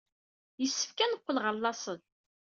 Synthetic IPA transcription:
jəsːə̥fkænəqʷːəlʁəɾlːɑsˤən

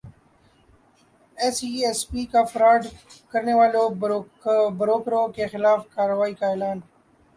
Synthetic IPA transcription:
ɛːsiːeːspiːkafɾaːɖkəɾneʋaːlo | bɾoːkɾokexɪlaːfkaːɾʋaːikaeːlaːn

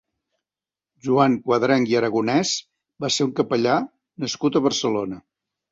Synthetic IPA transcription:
ʒuaŋkwəðɾɛŋiəɾəɣunɛz | baseuŋkəpəʎa | nəskut̪əβərsəlonə

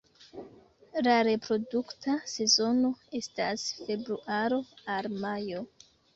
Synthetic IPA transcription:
laɾe̞pɾo̞duktase̞zo̞no̞e̞stasfe̞bɾuʔaɾo̞almajo̞

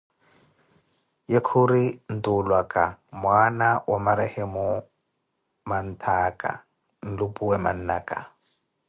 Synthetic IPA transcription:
jekʰʊɾin̩tʼʊlwakʼamwanawʔamaɾɛhɛmʊ | man̩tʰaːkʼa̰ | n̩lʊpʼuwɛma̰n̩nakʼa̰

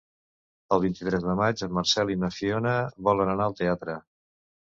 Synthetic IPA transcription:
əlˠβ̞int̪it̪ɾɛzðəmad͡ʒəmːəɾsɛlinəfionəβɔlənənaəlˠt̪eat̪ɾə

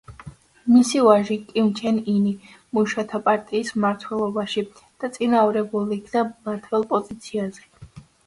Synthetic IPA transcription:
misivaʒikʼimt͡ʃʰɛnini | muʃat̪ʰapʼaɾt̪ʼiːsmaɾt̪ʰwɛlˠɔbaʃi | d̪̥at̪sʼinavɾɛbuliːkʰnamaɾt̪ʰwɛlˠpʼɔzit̪sʰiazɛ

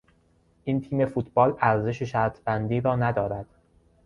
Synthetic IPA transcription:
ʔint̪ʰiːme̞fut̪ʰbɒːlæɾze̞ʃeʃæɾt̪ʰbænd̪iːɾɒːnæd̪ɒːɾæd̪̥

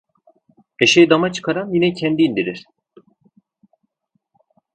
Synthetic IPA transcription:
eʃejid̪amat͡ʃʰɯ̥kʰaɾanjinɛcʰɛnd̪iːnd̪iɾiɾ̥

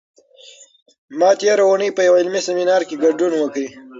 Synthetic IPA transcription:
mɑt̪eɾawunəjpəjawɪlmiseminɑɾkeɡaɖunwəkɽi

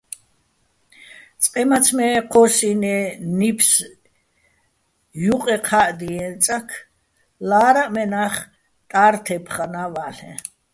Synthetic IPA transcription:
t͡sʼqʼɛmat͡sʰmɛqʰɔsinɛnipʰs | juqʼɛqʰaʔd̪iɛ̃nt͡sʼakʰ | laːɾaʔmɛnaχ | t̪ʼaɾt̪ʰɛpʰχanavaɬɛ̰̃

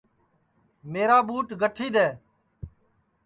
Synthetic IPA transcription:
meːɾaːɓuːʈɡʱəʈʰiːd̪ɛː

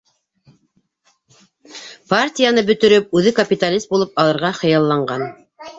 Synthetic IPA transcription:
partʲijanɤbɵ̆t̪ɵ̆ɾɵp̚ʉðɘkɐpʲit̪alʲizst̪̚bulˠɤpɑlˠɤ̆ɾʁɑχɤ̆jɑlˠːɑɴɢɑn

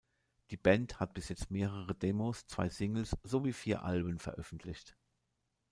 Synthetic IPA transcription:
d̥iːbɛnthat̚b̥ɪsjɛt͡stmeːʁəʁədeːmost͡sv̥a̰ɪsɪŋl̩sz̥oviːfiːɐʔa̰lbəmfɛɐʔœfn̩tʰlɪçt

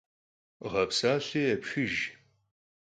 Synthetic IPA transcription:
ʁɐpsaːɕeːɐpʃɪʒ

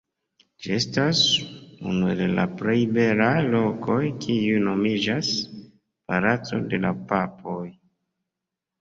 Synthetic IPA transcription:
d͡ʒie̞stasṵnue̞la̰pɾe̞jbe̞lajlo̞kʰo̞jkʰiujno̞mid͡ʒas | paɾat͡so̞̰de̞lapapʰo̞j

